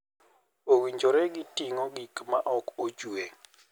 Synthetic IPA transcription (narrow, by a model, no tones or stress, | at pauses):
owiɲd͡ʒoɾɛɡitiŋɔɡikmaʔɔkod͡ʒue